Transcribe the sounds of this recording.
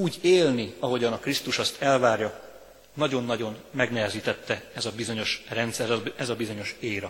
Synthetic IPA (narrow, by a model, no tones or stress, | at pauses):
uːɟeːlniɒɦo̞ɟɒnɒkrist̪uʃɒst̪ʰɛlvaːrjɒ | nɒɟo̞nːɒɟo̞nmɛɡnɛɦɛziːt̪ɛt̪ːɛɛzɒbizo̞ɲo̞ʃrɛnt̪sɛɾɛzɒbizo̞ɲo̞ʃeːɾɒ